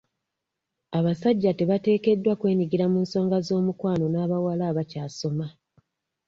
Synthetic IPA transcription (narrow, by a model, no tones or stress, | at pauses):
aβasaɟːate̞βate̞ːke̞dːwakwe̞ːɲiɡiɾamuːnso̞ːŋɡazo̞ːmukwaːno̞naːβawalaːβacaːso̞ma